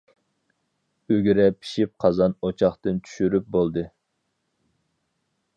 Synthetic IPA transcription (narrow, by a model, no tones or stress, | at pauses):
øɡʲiɾɛpʰi̥ʃip̚qʰɑzɑnot͡ʃʰɑχt̪ɨnt͡ʃʰy̥ʃyɾyp̚bolˠd̪ɨ